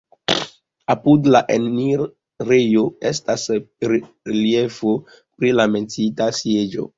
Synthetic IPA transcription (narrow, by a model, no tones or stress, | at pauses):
apudlaʔenniɾ | ɾejoestasɾ | ɾeliefo | pɾilame̞nt͡sitasje̞d͡ʒo̰